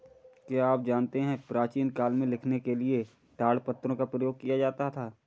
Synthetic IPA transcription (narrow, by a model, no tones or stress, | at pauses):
kjaːaːp̚d͡ʒaːnt̪eɦɛ̃pɾaːt͡ʃiːnkaːlmẽlɪkʰnekelie | ʈaːɽpɐt̪ːɾõkapɾəjoːɡ̚kijad͡ʒaːt̪at̪ʰaː